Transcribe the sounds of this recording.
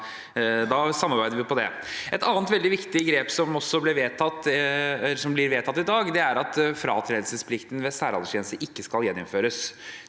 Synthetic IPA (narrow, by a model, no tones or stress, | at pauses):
d̪ɑsɑmːɑɾbæɪd̪əɾʋɪpʰɔd̪ɛ̰ | ɛt̪ɑːnt̪ʋɛld̪ɪʋɪkt̪ɪɡɾeːpsɔmɔsːɔblɪɾʋeːt̪ʰɑt̪ː | sɔmblɪɾʋeːt̪ʰɑt̪ːɪd̪ɑːɡd̪ɛæɾɑt̪fɾɑ̰ːt̪ʰɾeːd̪l̩səspʰlɪkt̪n̩ʋɛsæːɾɑlʂjɛːnəst̪əʔɪkːəskɑljɛnːɪnføːɾəs